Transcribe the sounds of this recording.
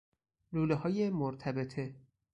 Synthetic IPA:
luːleɦɒːjemoɾt̪ʰæbet̪ʰe

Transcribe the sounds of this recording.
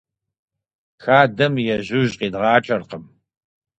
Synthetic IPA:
xaːdɐmjɛʑʊʑqiːdʁɑːt͡ʃʼɐrqəm

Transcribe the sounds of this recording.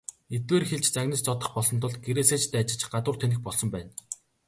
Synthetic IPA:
et̪weːrxeɮt͡ɕt͡saɣnə̆st͡sɔt̪ə̆χpɔɮsɞ̆nt̪ʰʊɮ̚ɡeɾeːseːt͡ɕt̪æːt͡ɕɪ̆t͡ɕɢat̪ʊːrt̪ʰenɘ̆xpɔɮsɞ̆mpæːn

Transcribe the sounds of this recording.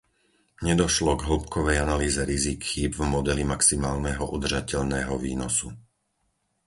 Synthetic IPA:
ɲɛd̪ɔʃlɔɡɦl̩ˠpkɔʋɛjanaliːzɛɾizikxiːbvmɔd̪ɛlimaksimaːlnɛɦɔʔud̪r̩ʒacɛʎnɛːɦɔʋiːnɔsu

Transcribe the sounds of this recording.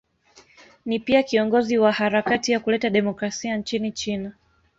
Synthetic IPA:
nipiakiɔŋɡɔziwahaɾakatijakulɛtaɗɛmɔkɾasiant͡ʃinit͡ʃina

